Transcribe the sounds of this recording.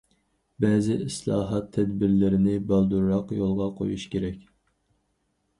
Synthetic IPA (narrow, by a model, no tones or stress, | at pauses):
bɛzɪʔɪslˠɑːɦɑt̪ʰːɛd̪bɪɾlɪɾɪnɪbɑlˠd̪uɾːɑqjolˠʁɑqʰo̰juʃkʲʰeɾɛkʲ